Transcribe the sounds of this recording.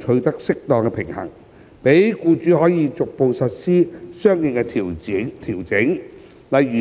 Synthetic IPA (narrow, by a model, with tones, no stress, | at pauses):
t͡ʃʰɵ˧t̪ɐ˥k̚sɪ˥k̚t̪ɔː˨˧ŋkɛ˧pʰɪ˨˩ŋhɐ̰˨˩ŋ | pe˨˥jkuː˧t͡ʃyː˨˥hɔː˨˥jiː˧t͡sʊ˨k̚po˨˧wsɐ˨t̚siː˥sœː˥ŋjɪ˨˧ŋkɛ˧˨t̪ʰiː˨˩wt͡sɪ˨˥ŋ | lɐ˨jyː˨